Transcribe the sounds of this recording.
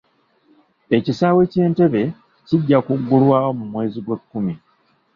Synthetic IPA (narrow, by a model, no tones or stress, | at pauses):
e̞cisaːwe̞ce̞ːnte̞βe̞ | ciɟːakuɡːulwaːwomumwe̞ːziɡwe̞kːumi